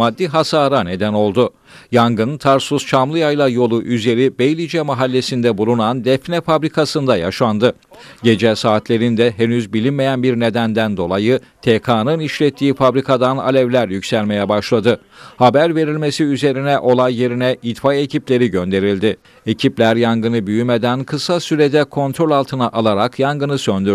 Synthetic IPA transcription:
ad̪ːiɦasaːɾane̞d̪æno̞lˠd̪ʊ | jaŋɡɯnt̪ʰaɾsuz̥t͡ʃʰamlˠɯjajlˠajo̞lˠuʔyze̞ɾibejlʲid͡ʒɛmaɦalʲːe̞sind̪ɛbulˠunand̪ɛfnɛfabɾikʰasɯnd̪aja̰ʃand̪ɯ | ɟe̞d͡ʒɛsaːt̪lʲe̞ɾind̪ɛɦenyzbilʲinme̞jænbiɾne̞d̪ænd̪ænd̪o̞lˠajɯt̪ʰekʰaːnɯniʃlʲɛt̪ʰːiːfabɾikʰad̪ana̰lʲɛvlʲæɾjycsælʲme̞jɛbaʃlˠad̪ɯ | habæɾve̞ɾilʲme̞siyze̞ɾinɛʔo̞lˠajːe̞ɾinɛid̪faje̞ciplʲe̞ɾiɟø̞nd̪e̞ɾilʲd̪ɪ | e̞cʰiplʲæɾjaŋɡɯnɯbyjymed̪ænkʰɯsasyɾed̪ɛkʰo̞nt̪ɾo̞lʲalˠt̪ʰɯnaʔalˠaɾakjaŋɡɯnɯsønd̪yɾ

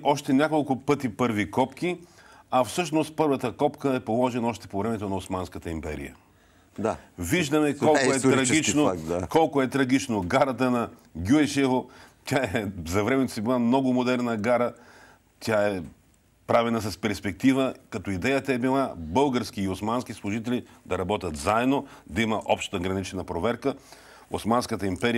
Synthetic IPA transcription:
ʔɔʃt̪ɛnʲakolˠkʊpɤt̪ipɤɾvikɔpki | ɐfsɤʃnost̪̚pɤɾvət̪əkɔpkəɛpolˠɔʒɛnɔʃt̪ɛ̥povɾɛmɛt̪onɐosmanskət̪əimpɛ̰ɾḭjə̰ | aviʒd̪ɐmɛkɔlˠkoɛt̪ɾɐɡit͡ʃnokɔlˠkʊɛt̪ɾɐɡit͡ʃnoɡaɾɐt̪ənɐ | ɡʲuɛʃɛvot̪ʲaɛzɐvɾɛmɛt̪osɛbilˠamnɔɡʊmod̪ɛɾnəɡaɾə | t̪ʲaɛ | pɾavɛnɐs̬ɐspɛɾspɛk̚t̪ivəkɐt̪ɔid̪ɛjət̪əɛbilˠabɤlˠɡəɾsk̟iːosmansk̟islˠʊʒit̪ɛlʲid̪ɐɾɐbɔt̪ʲət̪zaɛd̪nod̪ɐiməʔɔpʃt̪t̪əɡɾɐnit͡ʃɛnɐpɾovɛɾkə | osmanskət̪əimpɛɾi

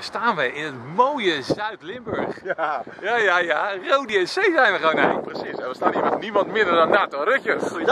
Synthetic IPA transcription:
staːnʋəɪnətmoːjəzœɥtlɪmbøɹχ | jajajarowdiɛnsejzɛjnʋəχʋownɛləprəsisɛʋəstaːniʋənnimɑntmɪdərdɔnːaːtorøkjə

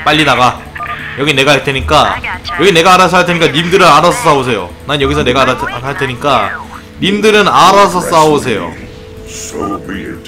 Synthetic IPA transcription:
p͈aʎːinaɡa | jʌɡine̞ɡaɦaɭtʰe̞ɲik͈ajʌɡine̞ɡaːɾas̬ʰɦaɭtʰe̞ɲik͈animdɯɾɯnaɾasʰʌs͈aos̬ʰe̞jo̰nanjʌɡisʰʌne̞ɡaɾaaɭtʰe̞ɲik͈a | nimdɯɾɯnaɾasʰʌs͈aosʰe̞jo̰ | o

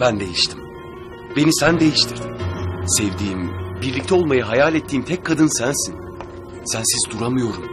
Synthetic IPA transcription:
bænd̪e̞jiʃt̪ʰi̥m | be̞nisænd̪e̞jiʃt̪ʰiɾd̪isɛvd̪iːmbiɾlʲic̚t̪ʰɛo̞lˠmajaɦajaːlʲɛt̪ʰːiːmt̪ʰɛc̚kʰːad̪ɯnsænsin | sænsizd̪uɾamɯjo̞ɾum

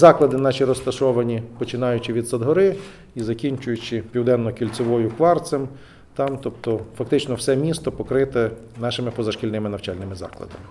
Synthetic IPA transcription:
zɑklˠɐd̪ɪnɑʃʲiɾɔst̪ɐʃɔʋɐnʲipɔt͡ʃɪnɑjʊt͡ʃɪʋʲid̪sɐd̪ɦɔɾɪ | izɐkʲinʲt͡ʃʊjʊt͡ʃɪpʲiwd̪ɛnːɔkʲilʲt͡s̪ʲɪʋɔjʊkʋɑrt̪sɛm | t̪ɑmt̪ɔpt̪ɔfɐk̚t̪ɪt͡ʃnɔwsɛmʲist̪ɔpɔkɾɪt̪ɛnɑʃɪmɪpɔzɐʃkʲilʲnɪmɪnɐwt͡ʃɑlʲnɪmɪzɑ̰klˠɐ̰d̪ɐmɪ

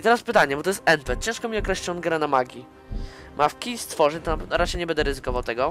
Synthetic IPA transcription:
it̪ɛɾaspɘt̪aɲɛbɔt̪ɔjɛst̪ɛnpɛt̪̚t͡ɕɛ̃wʂkɔmʲiɔkɾɛɕlɔnɡɾɛnamaɡʲi | mʔafkʲist̪fɔʐɛɲt̪ɔnapɛvnɔɾat͡ʂɛjɲɛbɛnd̪ɛɾɘzɘkɔvawt̪ɛɡɔ

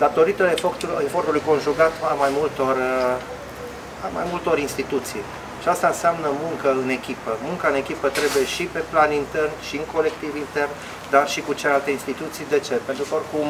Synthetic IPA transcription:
d̪at̪o̞ɾit̪əefot̪uefo̞rt̪ulujko̞nʒuɡat̪amajmult̪o̞r | ama̰jmult̪o̞ɾinst̪it̪ut̪sij | ʃiast̪aɨnseamnəmuŋkəɨne̞kʲipəmuŋkaɨne̞kʲipət̪ɾe̞buje̞ʃipe̞planint̪e̞rnʃiɨŋko̞le̞kt̪ivint̪e̞rn | d̪arʃikut͡ʃelealt̪e̞inst̪it̪ut̪sijd̪e̞t͡ʃe̞pent̪ɾukəo̞rkum

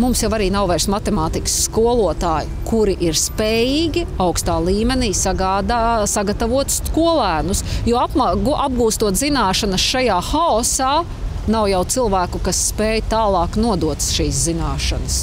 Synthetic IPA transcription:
mumsjaʋaɾiːnawvɛɾsmat̪emaːt̪ikə̥sːkuɔlˠuɔt̪aːjɪkuɾiʔiɾspɛːjiːɡʲiawkst̪aːlˠiːmɛniːsaɡaːd̪asaɡɐt̪avuɔt̪skuɔlˠæːnusjuɔapmaɡuʔab̚ɡuːst̪uɔt̪zinaːʃɐnəsʃajaːxaɔsaː | nawjawt̪silˠvæːkʊkasːpɛːjt̪aːlˠɑːknuɔd̪uɔt̪sʃiːs̬zinaːʃɐ̰nɐs

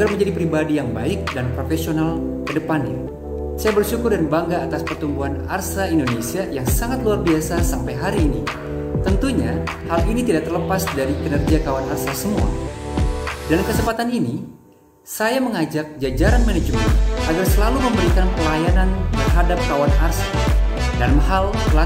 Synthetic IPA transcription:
aɡarməɲd͡ʒadipəɾibadijaŋbaɪk̚danpɾofesional | kədəpana̰ | sajabərsukʊrdaɾibaŋɡaːt̪aspərt̪umbuɦanarsaindonesiajaŋsaŋat̪̚luarbiasasampajɦaɾiːni | t̪ənt̪uɲahalinit̪idaʔ̚t̪ərləpasdaɾikənərɡiakawanarsasəmua̰ | dalamkəsəmpat̪anini | sajaməŋad͡ʒak̚d͡ʒad͡ʒaɾanmaned͡ʒmənʔaɡarsəlaluməmbəɾikanpəlajanant̪ərɦadap̚kawanarsadalmɦal | əla

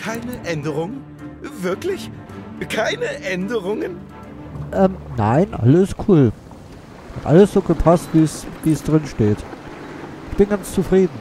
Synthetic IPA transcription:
kʰaɪnəʔɛndəʁʊŋən | vɪɐklɪçkʰaɪnəʔɛndəʁʊŋən | ʔɛmna̰ɪnʔa̰ləsɪstkʰuːl | shatʔa̰ləsz̥oːɡəpʰastv̥iːsviːəsd̥ʁɪnʃteːt | ʔɪçb̥ɪnɡant͡st͡sufʁ̥iːdn̩

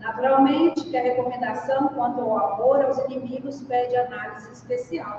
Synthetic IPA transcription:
nat̪uɾawmẽnt͡ʃɪkɪɐɦekomẽnd̪asɐ̃w̃kwɐ̃nt̪ʊawamoɾawzenemiɡʊspɛɾd͡ʒɪanalizɪispesiaw

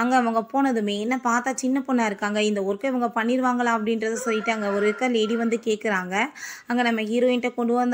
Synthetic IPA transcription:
ɐŋɡɐɐʋɐŋɡɐpoːnɐðɯmeːɛnːɐpaːɾt̪aːt͡ʃɪnːɐpɔnːaːɪɾɯkːaːŋɡɐɪnd̪ɐɔɾɯkːɐɪʋɐŋɡɐpɐɳːɪɾɯʋaːŋɡɐɭaːɐp̬ːɐɽɪnɾɐðɯsɔlːɪʈːɯɐŋɡɐɔɾɯkːɐleːɽiʋɐnd̪ɯkeːʈ̚kɪɾaːŋɡɐɐŋɡɐnɐmːɐhɪɾoːɪnʈːɐkɔɳɖɯʋand̪

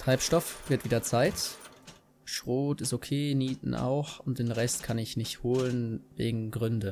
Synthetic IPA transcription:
tʁ̥aɪpʃtɔfv̥ɪɐtv̥iːdɐt͡saɪt | ʃʁ̥oːtɪstokʰeːniːtn̩ʔa̰ʊxʊnt̚d̥eːnʁɛstkʰanɪçnɪçthoːlənvḛːɡŋ̩ɡʁʏndə

